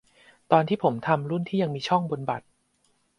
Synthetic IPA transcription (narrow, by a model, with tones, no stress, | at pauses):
t̪ɔː˧nt̪ʰiː˥˩pʰo˩˦mt̪ʰa˧mɾu˥˩nt̪ʰiː˥˩ja˧ŋmiː˧t͡ɕʰɔ˥˩ŋbo˧nba˨˩t̪̚